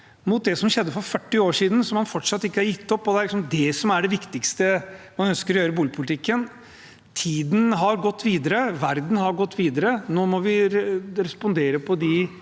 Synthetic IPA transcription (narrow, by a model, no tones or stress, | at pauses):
mʊt̪̚d̪ɛsɔmɕɛd̪ːəfɔɾfœʈːɪoːʂiːd̪n̩sɔmːɑnfɔʈːʂɑt̪ːɪkːəhɑɾjɪt̪ːɔpːɔd̪ɛæɾlɪksɔmd̪ɛsɔmæɖɛʋɪkt̪ɪkst̪əmɑnœnskəɾɔjøːɾəbuːlɪpʰʊlɪt̪ʰɪkːən | t̪ʰiːd̪n̩ɦɑɾɡɔt̪ːʋiːd̪əɾəʋæɾd̪n̩hɑɾɡɔt̪ːʋiːd̪əɾənoːmɔʋɪɾɛspɔnd̪eːɾəpʰɔd̪ɪ